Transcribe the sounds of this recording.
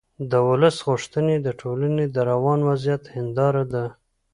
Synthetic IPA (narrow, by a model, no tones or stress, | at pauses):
d̪əwʊləsɣʊʂt̪əned̪əʈʰolaned̪əɾawɑnwazjat̪hɪnd̪ɑɾad̪a